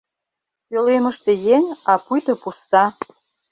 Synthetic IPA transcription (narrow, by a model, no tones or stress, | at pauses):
jølemə̆ʃt̪ĕjeŋɑpujt̪ɤ̆pust̪ɑ